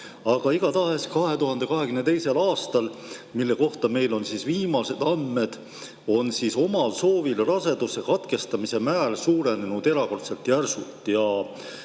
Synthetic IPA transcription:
ɑɡ̥ɑiɡ̥ɑt̪ɑeskɑɦe̞t̪uɦɑnd̪e̞kɑɦe̞kymne̞t̪e̞jse̞lɑːst̪ɑlmilːe̞ko̞ht̪ɑme̞jlo̞nsisviːmɑse̞d̪̥ɑmːe̞d̪̥ | o̞nsiso̞mɑlso̞ːvilrɑse̞d̪̥usːe̞kɑt̪ke̞st̪ɑmise̞mæːlsuːɾe̞nenud̪̥e̞ɾɑko̞rt̪se̞lt̪jærsut̪ˑjɑ

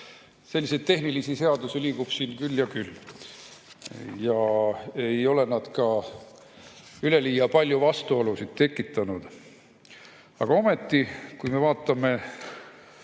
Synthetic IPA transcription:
se̞lʲːised̪̚t̪e̞ɦnilisise̞ɑd̪usiliːɡ̥ub̥siːnkylːjɑkylː | jɑe̞jo̞le̞nɑd̪̥kɑ | yle̞liːjɑpɑlʲjuvɑst̪uolusid̪̥̚t̪e̞kːˑit̪ːˑɑnud̪̥ | ɑ̰ɡ̥ɑo̞me̞t̪ːikujme̞vɑːt̪ːˑɑme̞

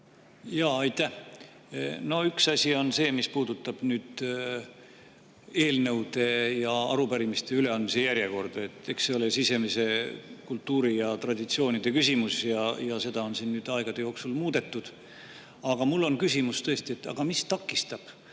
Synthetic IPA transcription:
jɑɑjt̪ːæh | no̞yksɑsʲio̞nse̞ːmispuːd̪ut̪ːˑɑb̥nyːd̪̥ | e̞ːlnɤ̞wd̪e̞jɑɑ̰ɾupæɾimist̪e̞yle̞ɑnmise̞jæɾje̞ko̞rd̪̥e̞t̪ːˑe̞kse̞o̞lesise̞mese̞kult̪ːuːɾijɑt̪rɑd̪̥ʲit̪sio̞ːnid̪̥e̞kysʲimusjɑjɑse̞d̪̥ɑo̞nsinːyːd̪̥ɑeɡ̥ɑd̪̥e̞jo̞ːksulmuːd̪̥e̞t̪ːˑud̪̥ | ɑɡ̥ɑmulːo̞nkys̬ʲimust̪ɤ̞e̞st̪ie̞t̪ːɑ̰ɡ̥ɑmist̪ɑkːˑist̪ɑb̥

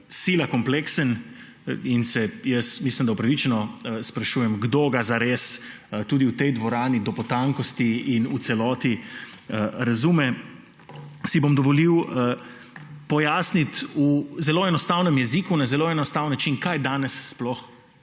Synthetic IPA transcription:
silakɔmpleksən | insɛjəsmislimd̪aopɾɐʋit͡ʃɛnɔspɾaʃuːjɛmɡd̪oɡazaɾeːs | t̪uːd̪iwt̪ɛjd̪ʋɔɾaːnid̪ɔpɔt̪aŋkɔst̪iinusɛlɔːt̪i | əɾazumɛ | sibomd̪ɔʋɔliw | pɔjaːsnit̪uzɛloɛnɔst̪awnəmjɛzikunazɛloɛnɔst̪aːwnːat͡ʃinkajd̪aːnɛsːplɔx

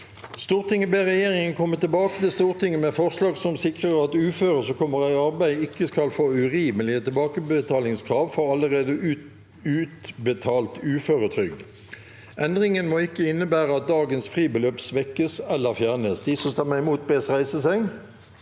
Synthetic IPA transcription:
st̪uːʁt̪ɪŋːəbeːʁɛjeːʁɪŋənkʰɔmːət̪ɪlbɑːkə̥t̪ɪlst̪uːʁt̪ɪŋːəmɛfɔʁslɑːɡsɔmsɪkʁəʁɑt̪ʉːføːʁəsɔkʰɔmːəʁæɪɑʁbæɪɪkːəskɑlfoːʉʁiːməlɪət̪ɪlbɑːkəbət̪ʰɑːlɪŋskʰʁɑːʋfɔʁɑlːəʁeːd̪əʉ | ʉːt̪bət̪ʰɑːlt̪ʉːføːʁət̪ʰʁʏɡ | ʔɛnd̪ʁɪŋənmɔɪkːəɪnːəbæːʁəɑt̪̚d̪ɑːɡənsfʁiːbəløːpsʋɛkːəsɛlːəfjæʁnəsd̪ɪsɔst̪ɛmːəʁɪmuːt̪̚beːsʁæɪsəsɛŋ

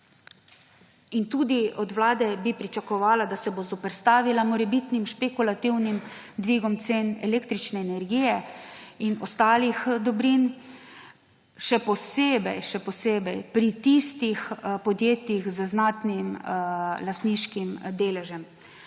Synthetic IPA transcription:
int̪uːd̪iɔd̪ʋlaːd̪ɛbipɾit͡ʃakɔʋaːlad̪asɛbozɔpɛɾst̪aːʋilamɔɾɛbit̪nimʃpekulat̪iwnim | d̪ʋiɡɔmt̪seːnɛleːkt̪ɾit͡ʃnɛːnɛɾɡiːjɛinɔst̪aːlixd̪ɔbɾin | ʃɛpɔseːbɛjʃɛpɔseːbɛjpɾit̪ist̪ixpɔd̪jeːt̪jixzəznaːt̪nimlast̪niːʃkimd̪eːlɛʒɛm

